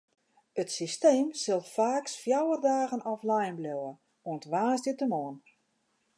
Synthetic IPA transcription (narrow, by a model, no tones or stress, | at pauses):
ətsisteːmsɪlˠfaːksfjawərdaːɣənɔflajnblowə | oəntʋaːsdətəmoːən